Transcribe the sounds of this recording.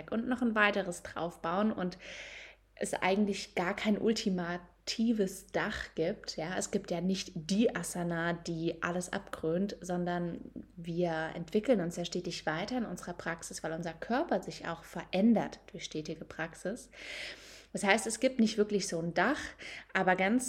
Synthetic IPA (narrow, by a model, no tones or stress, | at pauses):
ɛkʔʊntnɔχnvaɪtəʁəsd̥ʁa̰ʊfb̥aʊənʔʊ̰nt | ʔɛ̰sʔa̰ɪɡŋ̩tlɪçɡ̥aːɐkʰaɪnʔʊ̰ltʰimatʰiːvəsd̥aχɡ̥iːp̚tjaːʔɛsɡ̥iːp̚tjaːnɪçtd̥iːʔasanaːd̥iːʔa̰ləsʔa̰pɡ̥ʁøːntz̥ɔndɐnviːɐɛ̰ntv̥ɪkl̩nʊnsjaːʃteːtɪçv̥aɪtɐɪnʔʊnzəʁɐpʁ̥aksɪsv̥aɪlʊnzɐkʰœɐpɐzɪça̰ʊxfɛɐʔɛndɐtd̥ʊɐçʃtɛːtɪɡəpʁ̥aksɪs | v̥ashaɪstɛsɡ̥iːp̚tnɪçtv̥ɪɐklɪçz̥oːndaχʔaːbɐɡant͡s